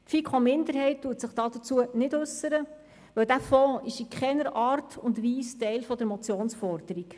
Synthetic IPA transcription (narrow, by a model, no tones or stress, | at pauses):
tfikχomɪndəɾɦɛɪt̚tuːətsəχd̥ɑːd̥ət͡suənɪdʉsːəɾə | ʋɵwd̥æfɔ̃ːɪʃikχɛnəɾɑːrtʰʊndʋiːstɛɪlfɔd̥əɾmɔt͡sjoːnsfɔɾd̥əɾik